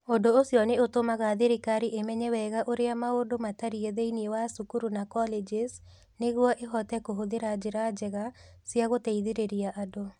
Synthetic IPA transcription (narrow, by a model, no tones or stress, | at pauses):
ondoːsjɔneotomaɣaðeɾikaɾiʔemɛɲɛwɛɣaʔoɾeamaodomataɾieðeiniewasukuɾunakɔled͡ʒes | neɣwɔʔeɦɔtɛkoɦoðeɾad͡ʒeɾad͡ʒɛɣasiaɣotɛiðiɾeɾiaʔado